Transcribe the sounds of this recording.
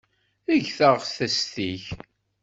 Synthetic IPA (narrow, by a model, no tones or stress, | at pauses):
əʝθəʁθæst̪iç